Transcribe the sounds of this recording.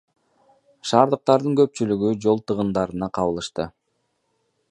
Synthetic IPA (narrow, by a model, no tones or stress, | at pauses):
ʃɑːɾd̪ɯq̚t̪ɑɾd̪ɯŋkø̞p̚t͡ʃylyɡyd͡ʒo̞lˠt̪ɯʁɯnd̪ɑɾɯnɑqʰɑβɯlˠɯʃt̪ɯ